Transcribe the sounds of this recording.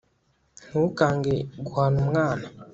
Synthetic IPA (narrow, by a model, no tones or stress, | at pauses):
n̥ukaːŋɡeɡuhanumŋaːna